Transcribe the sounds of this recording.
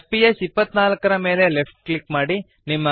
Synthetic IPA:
pijesipːɐt̪ːnaːlɐkːɐɾɐme̞ːle̞lepʰʈ̚klikmaːɽi | nimːɐ

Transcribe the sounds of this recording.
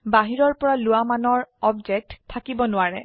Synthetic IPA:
baɦiɹɔɹpɔɹalʊamanɔɹɔbd͡ʒɛk̚ttʰːakibɔnʊaɹɛ

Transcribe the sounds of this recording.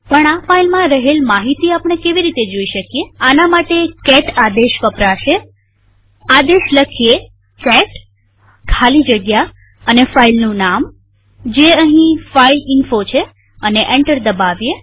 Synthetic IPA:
pəɳafailmãɾəɦelmaɦit̪iapñekeʋiɾit̪ed͡ʒoiʃəkijeanamaʈekɛʈad̪eʃʋəpɾaʃe | ad̪eʃləkʰie | kɛʈ | kʰalid͡ʒəɡja | ənefailnũnam | d͡ʒeəɦĩfailɪnfot͡ʃʰe | əneʔeɳʈəɾd̪əbaʋje

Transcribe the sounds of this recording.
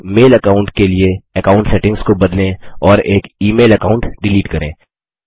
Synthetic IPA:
meːlɐkaːʊ̃ɳʈkelieɛkaːʊ̃ɳʈsɛʈɪ̃ŋɡskobɐd̪lẽɔːɾeːkiːmeːlɐkaːʊ̃ɳʈɖɪliːʈkɐɾḛ̃ː

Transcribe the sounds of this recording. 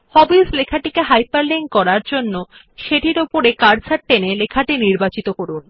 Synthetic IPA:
hɔbislekʰaʈikeɦajpaɾleŋkɔɾaɾd͡ʑonːo | ʃeʈiɾopoɾekaɾsaɾ̚ʈenelekʰaʈiniɾbat͡ɕit̪okoɾun

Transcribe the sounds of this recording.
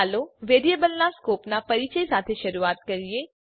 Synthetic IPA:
loʋeːɖijebəlnaskoːpnapɐɾit͡ʃəisaːt̪ʰeʃɐɾuaːt̪kɐɾieː

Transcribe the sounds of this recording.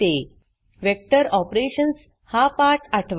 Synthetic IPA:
t̪e | ʋek̚ʈəɾɔpɾeɕəns | hapaɾʈaʈʰʋ

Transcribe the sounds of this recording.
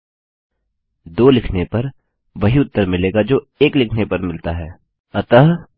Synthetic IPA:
d̪oːlɪkʰnepɐɾ | ʋɐɦiʊt̪ːəɾmɪleːɡad͡ʒoːeːklɪkʰnepɐɾmɪlt̪aɦɛː | ɐt̪əɦ

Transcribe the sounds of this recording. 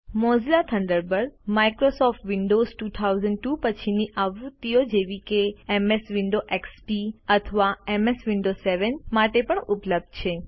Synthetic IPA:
mɔd͡ʒlat̪ʰəɳɖəɾbəɾmaikɾosɔfʈʋiɳɖozʈut̪ʰawzəɳɖ̚ʈupət͡ʃʰiniʔaʋɾut̪ːiod͡ʒeʋikeemesʋɪɳɖoʔekspiət̪ʰəʋaemesʋiɳɖoseʋənmaʈepəɳupləb̚d̪̚t͡ʃʰe

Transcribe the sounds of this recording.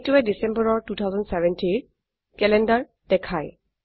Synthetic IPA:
tuwɛdisɛ̃mbɔɹɔɹtut̪ʰawzɔndsɛvɛnti | kɛlɛndaɹ | d̥ɛkʰaj

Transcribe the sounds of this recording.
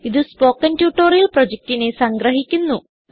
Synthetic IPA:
iðɨspo̞ːkːɐntjuːʈːoːrijɐlprod͡ʑek̚tine̞sɐŋɡɾɐɦikʲːunːu

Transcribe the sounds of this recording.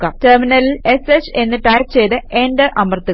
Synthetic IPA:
kːɐtɐrminɐlile̞set͡ɕe̞nːɨʈaːjkt͡ɕe̞jt̪ɨʔeːndɐʔɐmɐrt̪ːu

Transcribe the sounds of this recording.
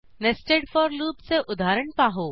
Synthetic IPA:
nesʈeːɖfɔɾluːpseʔʊd̪ʱaːɾəɳ̃paːɦoː

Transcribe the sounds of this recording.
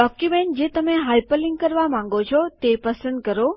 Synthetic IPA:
ɖɔkjumeɳʈ̚d͡ʒet̪əmẽɦajpəlɪ̃ŋɡ̚kəɾʋamãŋ̆ɡot͡ʃʰɔt̪epəsə̃nd̪̚kəɾo

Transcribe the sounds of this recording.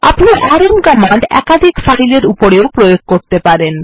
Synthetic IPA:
apniʔaɾomkɔmaɳɖɛ̰kad̪ʱikfaɦileɾupoɾeopɾojoɡ̚koɾt̪epaɾen

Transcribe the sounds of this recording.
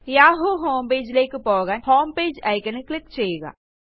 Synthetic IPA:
jaːɦoɦoːmpeːd͡ʒlekpɔːɡanhoːmpeːd͡ʒajkɐneklɪkt͡ʃɐeːɡa̰ː

